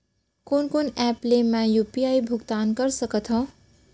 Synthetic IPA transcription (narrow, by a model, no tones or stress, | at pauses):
konkonɛplemãjupiajbʱuɡt̪ankʌɾsʌkʌt̪ʰɦõ